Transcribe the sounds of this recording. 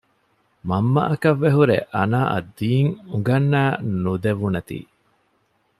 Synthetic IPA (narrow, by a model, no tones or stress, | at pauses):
mɐmːɐ̰ʔɐkɐʋːeɦuɾeʔɐnaːʔɐ̰d̪ːiːŋuŋɡɐnːæːnud̪eʋunɐt̪ḭː